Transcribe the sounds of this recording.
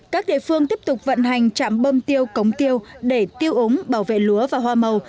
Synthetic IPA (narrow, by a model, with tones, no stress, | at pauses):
kaː˦˥k̚ɗḛ˧˨fɨ˧əŋt̪i˦˥əp̚t̪ʊ˨˩k͡p̚və̰˧˨nɦa˨˩jŋ̟t͡ɕa̰ː˧˨mɓo˧mt̪i˧əwkə˨˦wŋ͡mt̪i˧əwɗe˧˩t̪i˧əwʔə˨˦ŋ͡mɓaː˧˩wvḛ˧˨lu˨˦əvaː˨˩ɦwaː˧mə˨˩w